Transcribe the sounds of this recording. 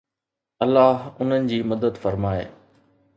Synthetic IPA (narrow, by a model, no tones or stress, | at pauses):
ɐlːaːɦʊn̤ənɪ̆d͡ʑiːmɐd̪əd̪fɐɾmaːḛː